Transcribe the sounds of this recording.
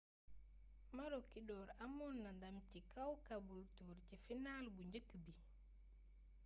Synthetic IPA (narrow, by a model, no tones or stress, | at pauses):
maɾokidɔːɾamɔnːandamcikawkabultuːɾcifinaːlbuɲɟəkːbi